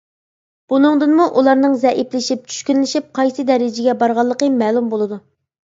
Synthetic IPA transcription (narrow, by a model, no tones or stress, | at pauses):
b̥unɨŋd̪ɨnmuʔulˠɑɾnɨŋzɛʔiplɪʃip̚t͡ʃʰy̥ʃkʲynlɪʃip̚qʰɑjsɨd̪ɛɾɪd͡ʒɪɡʲɛbɑɾʁɑlˠːəqəmɛːlˠumbolˠɨd̪u